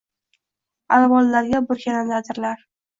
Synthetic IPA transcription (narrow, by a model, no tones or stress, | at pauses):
alvɒlːaɾɡʲabʊɾkʲʰananlad̪ɪɾlaɾ